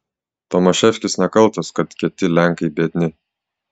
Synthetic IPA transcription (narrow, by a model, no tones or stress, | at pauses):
t̪ɔmɐʃʲɛfʲkʲɪsnʲɛkɐlˠˑt̪oskɐt̪kʲɛt̪ʲɪlʲæŋˑkɐɪbʲed̪ʲnʲɪ